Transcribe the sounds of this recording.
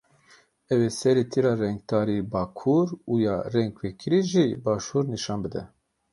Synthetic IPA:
ɛwesɛɾet̪ʰiɾɑːrɛŋɡ̚d̪ɑːɾibɑːkʰuɾujɑːrɛŋɡwekʰɨɾiʒibɑːʃuːɾniʃɑːnbɨd̪ɛ̰

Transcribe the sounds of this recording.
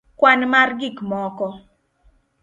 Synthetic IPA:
kwanmarɡikmɔkɔ

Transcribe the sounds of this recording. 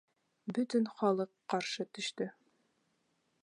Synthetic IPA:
bɵt̪ɵnχɒlˠɤqːɒɾʃɤt̪ɵ̆ɕt̪ɘ

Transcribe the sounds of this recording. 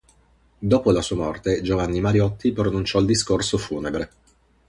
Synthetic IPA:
d̪oːpolasuːamɔrt̪ed͡ʒovanːimaɾjɔt̪ʰːipɾonunt͡ʃɔild̪iskorsofuːnebɾe

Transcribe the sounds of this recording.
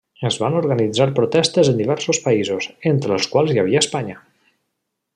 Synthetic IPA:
əzβanoɾɣənid͡zaɾpɾot̪ɛst̪əzənd̪iβ̞ɛɾsospaizozent̪ɾəːlˠskwalˠzjaβiəːspaɲə

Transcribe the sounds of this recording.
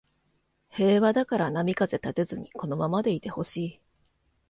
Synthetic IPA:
he̞ːβad̪akaɾanamʲikaze̞t̪at̪e̞zɨɲ̟iko̞no̞mamad̪e̞it̪e̞ho̞ɕiː

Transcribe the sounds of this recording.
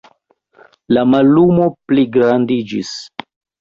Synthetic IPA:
lamalumopliɡɾandid͡ʒḭs

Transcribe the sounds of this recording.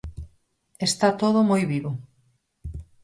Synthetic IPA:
est̪at̪oð̞ʊmojβiβʊ

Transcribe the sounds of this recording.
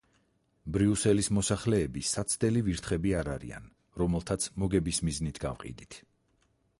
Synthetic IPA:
bɾiusɛlismɔsaχlɛːbisat̪sʰd̪ɛliviɾt̪ʰχɛbiaɾaɾḭa̰n | ɾɔmɛlˠt̪ʰat̪sʰmɔɡɛbismiznit̪ʰɡa̰vqʼḭd̪it̪ʰ

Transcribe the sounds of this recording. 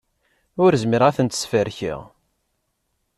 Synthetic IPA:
ʊɾzməɾʁæθənt̪ə̥sfəɾçḭʁ

